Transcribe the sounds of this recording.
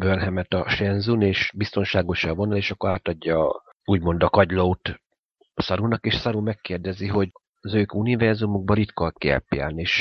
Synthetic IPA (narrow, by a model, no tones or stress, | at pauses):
bønɦɛmɛt̪ɒʃɛnzuneːʃbist̪o̞nʃaːɡo̞ʃɒvonɒleːʃɒkːoɾaːt̪ɒɟːɒː | uːɟmo̞nd̪ɒkɒɟlout̪ | sɒɾunɒkeːʃsɒɾumɛkːeːrd̪ɛziɦo̞ɟ | zøːkunivɛrzumuɡ̚bɒɾit̪kɒlkiɛ̰pːia̰ːlneːʃ